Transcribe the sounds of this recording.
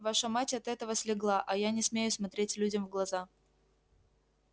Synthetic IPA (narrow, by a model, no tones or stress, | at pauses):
vaʂəmatʲɐt̪ɛt̪əvəsʲlʲɪɡlˠaʔɐjanʲɪsmʲejʊsmɐt̪ɾʲetʲlʲʉdʲəmvɡlˠɐza